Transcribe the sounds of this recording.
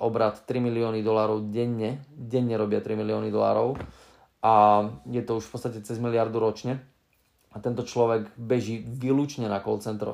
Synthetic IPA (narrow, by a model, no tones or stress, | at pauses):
ʔɔbɾat̪ːɾimiliɔːnid̪ɔlaːɾɔʊɟɛɲːɛɟɛɲːɛɾɔbɪat̪ɾimiliɔːnid̪ɔla̰ːɾɔʊ | ajɛt̪ɔuʃfpɔtt͡st̪acɛt͡sɛzmilɪaɾd̪uɾɔt͡ʃɲɛ | at̪ɛnt̪ɔt͡ʃlɔʋɛɡbɛʒiːʋiluːt͡ʃɲɛnakɔ̰lt͡sɛnt̪ɾɔ̰